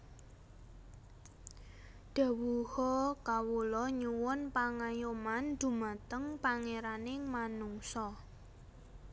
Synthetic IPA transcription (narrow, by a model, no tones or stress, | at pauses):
ɖ̪̥ä̤wuhɔkawulɔɲuwʊnpaŋajomand̪̥ṳmat̪əŋpaŋeɾanɪŋmanuŋsɔ